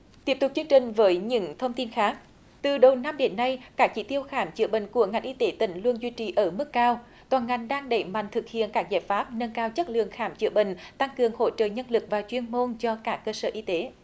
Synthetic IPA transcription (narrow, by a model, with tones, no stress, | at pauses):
t̪i˦˥əp̚t̪ʊ˨˩k͡p̚t͡ɕɨ˧əŋt͡ɕï˨˩ŋ̟vəː˨˦jɲɨ̰˧˥ŋt̪ʰə˧wŋ͡mt̪i˧nxaː˦˥k̚ | t̪ɨ˨˩ɗə˨˩wna˧mɗe˨˦nːa˧jkaː˦˥k̚t͡ɕi˧˩˦t̪i˧əwxaː˧˩˦mt͡ɕɨ̰˧˥əɓḭ˧˨ŋ̟ku˧˩əŋa˨˩jŋ̟ʔi˧t̪e˨˦t̪ï˧˩ŋ̟lu˧ənzwi˧t͡ɕi˨˩ʔəː˧˩mɨ˦˥kːaː˧w | t̪waː˨˩nŋa˨˩jŋ̟ɗaː˧ŋɗə˧˩jma̰˧˨jŋ̟t̪ʰɨ˨˩k̚hḭ˧˨ənkaː˦˥k̚zaː˧˩jfaː˦˥p̚nə˧nkaː˧wt͡ɕə˦˥t̚lɨ̰˧˨əŋxaː˧˨˩mt͡ɕɨ̰˧˩əɓḭ̈˧˨ŋ̟t̪a˧ŋkɨ˨˩əŋho̰˧˥t͡ɕə̰ː˧˨ɲə˧nlɨ˨˩k̚vaː˨˩t͡ɕwi˧ənmo˧nt͡ɕɔ˧kaː˦˥kːəː˧səː˧˩ʔi˧t̪e˨˦